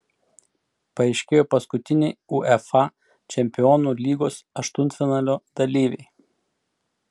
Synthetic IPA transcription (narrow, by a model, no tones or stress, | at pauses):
pɐɛɪʃʲkʲeːjoːpɐskʊt̪ʲɪnʲɛɪuʔɛfɑ | t͡ʃʲɛmʲpʲɪɔːnuːlʲiːɡoːsɐʃt̪ʊnt̪fʲɪnɑːlʲoːd̪̥ɐlʲiːʋʲɛ̰ɪ